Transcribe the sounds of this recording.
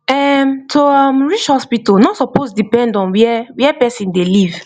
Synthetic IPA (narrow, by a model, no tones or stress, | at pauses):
ɛmtʰoamɹit͡ʃhɔspitɔlnɔtsɔpozdipɛ̃ndɔ̃nwɛwɛpɛsĩndeliv̥